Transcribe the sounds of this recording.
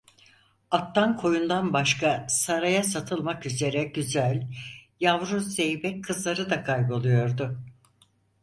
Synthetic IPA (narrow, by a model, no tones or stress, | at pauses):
at̪ːankʰo̞jund̪anbaʃkʰasaɾajasat̪ʰɯlˠmakyze̞ɾɛɟyzælʲjavɾuzːejbɛckʰːɯzlˠaɾɯd̪akʰajbolˠujo̞ɾd̪ʊ